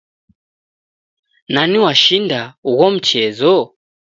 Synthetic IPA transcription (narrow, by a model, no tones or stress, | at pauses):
naniwaʃindauɣɔm̩t͡ʃɛzɔ